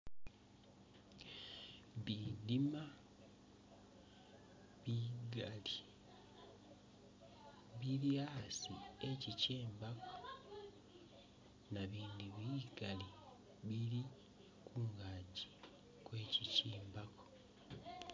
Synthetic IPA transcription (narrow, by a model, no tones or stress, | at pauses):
βidima | βiɡali | βiɾjasie̞ciceːmbako̥ | naβiːndiβiɡali | βiɾi | kʰuːŋɡaːɟi̥ | kwe̞ːciciːmbakʰo̥